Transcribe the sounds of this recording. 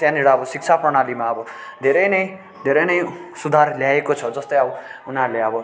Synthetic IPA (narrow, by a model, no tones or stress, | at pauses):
t̪jãneɽaʌbʌsik̚t͡sʰaprʌɽ̃alimaʌbʌd̪ʱeɾʌjnʌj | d̪ʱeɾʌjnʌjsud̪ʱarljaekot͡sʰʌd͡zʌst̪ʌjʌbunɦaɾuleʌbʌ